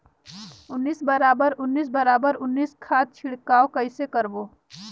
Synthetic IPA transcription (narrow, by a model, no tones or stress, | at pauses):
ʊnːiːsbəɾaːbəɾʊnːiːs̬bəɾaːbəɾʊnːiːskʰaːt̪̚t͡ʃʰɪɽkaːokəɪsekəɾboː